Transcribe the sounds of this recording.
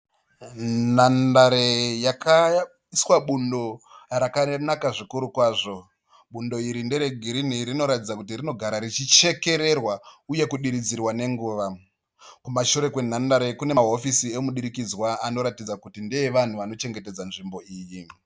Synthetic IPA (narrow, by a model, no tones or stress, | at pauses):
nandaɾejaka | iswaɓundo̞rakanakaʐikuɾukwaːʐo̞ | ɓundo̞iɾindeɾeɡʱiɾiniɾino̞ɾatid͡zakut̬irino̞ɡʱaɾaɾit͡ʃit͡ʃe̞ke̞ɾe̞rwauje̞kuɗiɾid͡zirwane̞ŋɡuːʋa | kumaʃuɾe̞kwen̤andaɾekune̞aɦo̞fisiemuɗiɾikid͡zwaano̞ɾatid͡zakutindeeʋan̤uʋano̞t͡ʃe̞ŋɡe̞ted͡zanʐimbo̞iːji